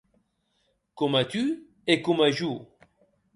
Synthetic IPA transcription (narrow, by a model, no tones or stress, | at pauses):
kɔmat̪y | ekɔmaʒu